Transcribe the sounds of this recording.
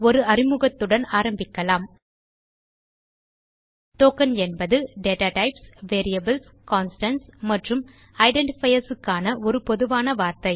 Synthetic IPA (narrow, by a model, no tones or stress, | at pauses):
ɔɾɯɐrɪmɯɣɐt̪ːɯɽɐnaːɾɐmbɪkːɐlaːm | ʈoːkɐnɛnbɐðɯɖeːʈaːʈɐɪpsʋeːɾɪjɐbɐls | kaːnsʈɐnsmɐʈrɯm | ɐɪɖɛɳʈɪfɐjɐɾsɯkːaːnɐɔɾɯpɔðɯʋaːnɐʋaːɾt̪ɐɪ